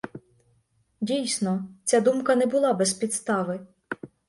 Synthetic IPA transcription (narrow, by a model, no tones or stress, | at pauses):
dʲijsnɔt͡sʲad̪umkɐnɛbʊlˠɑbɛspʲid̪st̪ɑʋɪ